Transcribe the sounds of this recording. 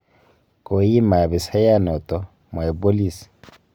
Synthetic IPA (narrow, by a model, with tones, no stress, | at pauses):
kʼo˨i˦ma˨bɪ˨sa˦ja˦nɔ˨tʼɔ˦ | m˨a˨ɛ˨po˦li˨si̥˨